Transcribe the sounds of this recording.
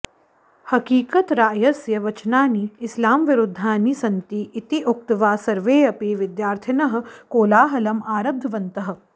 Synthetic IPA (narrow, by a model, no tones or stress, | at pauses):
hɐkiːkɐt̪ɾaːjɐsjɐʋɐt͡ʃnaːniɪslaːmʋɪɾʊd̪ʱːaːnisɐnt̪iʔːt̪iʊk̚t̪ʋaːsɐɾʋeːɐpiʋɪd̪jaːɾt̪ʰɐnɐɦɐ̆koːlaːɦɐlɐmaːɾɐb̚d̪ʱɐʋɐnt̪ɐɦɐ̆